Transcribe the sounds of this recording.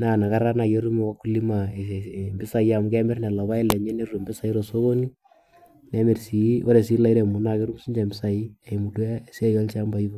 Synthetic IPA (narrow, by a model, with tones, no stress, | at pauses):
na˨na˨ka˦ɾa˦na˨je˦ɾu˦m˨wa˦kːu˦li˦ma˨mbɪ˦sa˨ja˨mu˨kɛ˦mɪ˦rnɛ˨la˨βa˦ɪ˦lɛ˨ɲe˦ne˦ru˨mbɪ˦sa˨i˦ɾo˨so˦ɣo˦ni˦ | nɛ˨me˨rsi˨˦wo˦ɾe˨si˦la˨i˦ɾɛ˨mu˨na˨ke˦ɾu˦msi˦ɲd͡ʒa˨mbɪ˦sa˨i˦ɛ˨mu˨tɛ˦˨si˦a˦jɔ˦lt͡ʃa˦mba˨i˦βo˦